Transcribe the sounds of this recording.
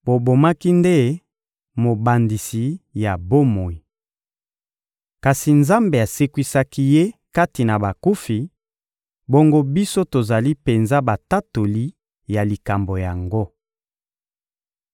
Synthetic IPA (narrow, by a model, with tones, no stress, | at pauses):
bo˨bo˨ma˦ki˦nde˦ | mo˨ba˨ndi˨si˨ja˨bo˦mo˨i˨ | ka˨si˨nza˦mbe˨a˨se˦kwi˦sa˦ki˦je˦ka˦ti˨na˨ba˨ku˦fi˨ | bo˦ŋɡo˦bi˦so˦to˨za˨li˦pe˨nza˦ba˨ta˦to˨li˦ | ja˨li˨ka˨mbo˨ja˨ŋɡo˦